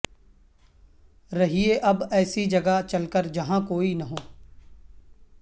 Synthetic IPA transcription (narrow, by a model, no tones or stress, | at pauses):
ɾɐɦieʔɐbɛːsid͡ʒɐɡat͡ʃɐlkəɾd͡ʒɐɦãkoːinɐɦoː